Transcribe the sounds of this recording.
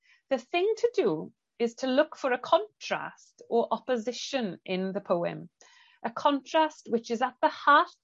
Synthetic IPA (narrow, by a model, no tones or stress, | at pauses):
ðəθɪ̃ŋtʰədə | ɪz̥tʰəlʊkfəɹəkʰɒ̃ntʰɹ̥a̰stəɹʔɒpəzɪʃə̃nɪ̃nðəpʰoʊɪ̰̃m | ʔəkʰɒ̃ntʰɹ̥ast̚wɪt͡ʃɪzət̪̚ðəhaˑθ